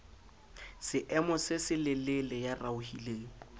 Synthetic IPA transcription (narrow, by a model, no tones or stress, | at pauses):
sɪʔɛmɔsɪsɪlɪlelɛjaraʊhileːŋ̩